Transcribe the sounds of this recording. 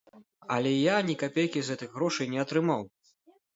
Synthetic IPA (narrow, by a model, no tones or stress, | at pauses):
ɐlʲɛjanʲikapʲejkʲizɣɛt̪ɨɣɣɾɔʂɐjnʲɛɐt̪ɾɨmaw